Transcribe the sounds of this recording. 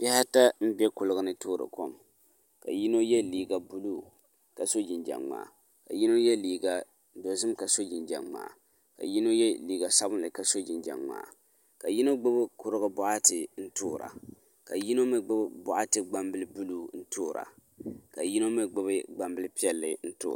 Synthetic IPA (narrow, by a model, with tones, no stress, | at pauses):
pɛ˦ha˦ta˦m̩˦bɛ˦kʊ˨lɨ˦ɡɨ˦nɨ˦toː˦ɾɨ̰˨ko˦m | ka̰˨ji˦no˦jɛ˦liː˨ɡa˨bu˦luː˦ | ka˨so˦d͡ʒi˨nd͡ʒa̰˨ŋːa̰ː˨ | ka̰˨ji˦no˦jɛ˦liː˨ɡa˨ | do˨zɨ˦mka˨so˦d͡ʒi˨nd͡ʒa̰˨mma̰ː˨ | ka̰˨ji˦no˦jɛ˦liː˨ɡa˨sa˦bʊ˦lɨ˨ka˨so˦d͡ʒi˨nd͡ʒa̰˨ŋma̰ː˨ | ka˨ji˦no˦ɡ͡bɨ˦bkʊ˨ɾɨ˦ɡɨ˦bʊ˦ʔa˦tɨ˨n̩˦tʊː˦ɾa̰˨ | ka˨ji˦no˦mɨ˦ɡ͡bɨ˦bbʊ˨ʔa˦tɨ˨ɡ͡ba˦mbɨ˦lɨ˦bu˦luː˦n̩˦tʰoː˦ɾa̰˨ | ka˨ji˦no˦mɨ˦ɡ͡bɨ˦bɨ˦ɡ͡ba˨mbɨ˦lɨ˦pi˦ɛ˦lːɨ̰˨n̩˦to̰ː˦˨˦